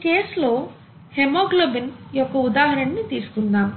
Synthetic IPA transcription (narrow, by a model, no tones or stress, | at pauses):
ke̞ːslo̞ː | hemoːɡlobinjɔkːɐud̪aːɦɐɾɐɳɐnit̪iːsu̥kunːaːm